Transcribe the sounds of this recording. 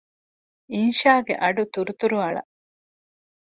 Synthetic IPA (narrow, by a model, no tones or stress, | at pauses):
inʃaːɡḛʔɐɖut̪uɾut̪uɾuɐɭɐ̰ʔ